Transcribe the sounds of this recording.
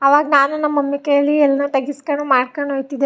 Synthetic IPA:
ɐʋaːɡɐnaːnunɐmːɐmːikejɐlːiɛlːɐnut̪ɐɡiskɐɳumaːɽkɐɳɖɦojt̪id̪e

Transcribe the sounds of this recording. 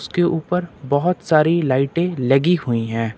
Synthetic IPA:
skeʔuːpəɾbɔɦʊt̪saːɾilaːɪʈẽlɐɡihʊiɦɛ̃ː

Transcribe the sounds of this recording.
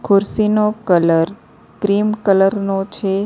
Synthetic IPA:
kʰʊɾsinokələɾ | kɾimkələɾnot͡ʃʰe

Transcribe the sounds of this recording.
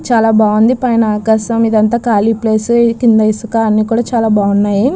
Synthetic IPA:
t͡ʃaːlaːbaːund̪ipɐjnɐaːkaːʃɐmid̪ɐnt̪aːkaːlipleːskind̪ɐisukaɐnːiːkuːɽaːt͡ʃaːlaːbʱaːunːaːji

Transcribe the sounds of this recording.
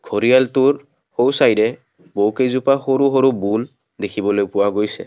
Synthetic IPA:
ɡʰʱoɹijaltuɹ | howsajdɛ | bowkejzupaxoɹuɦoɹubul | dekʰibɔlojpʊwaɡojsɛ̰

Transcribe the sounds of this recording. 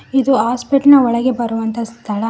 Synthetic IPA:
id̪uaːspeʈnɐɔɭɐɡe̞bɐɾuʋɐnt̪ʰɐst̪ʰɐɭɐ

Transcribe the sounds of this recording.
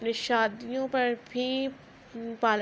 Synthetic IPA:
neʃaːd̪ijõpɐɾbʱiː | paːl

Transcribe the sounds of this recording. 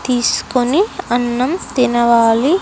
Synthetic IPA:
t̪iːsu̥koniɐnːɐmt̪inɐʋaːli

